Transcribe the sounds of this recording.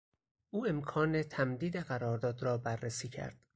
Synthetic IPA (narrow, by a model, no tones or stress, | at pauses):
ʔuːe̞mkʰɒːnet̪ʰæmd̪iːd̪eɣæɾɒːɾd̪ɒːd̪ɾɒːbærːesiːcʰæ̰ɾd̪̥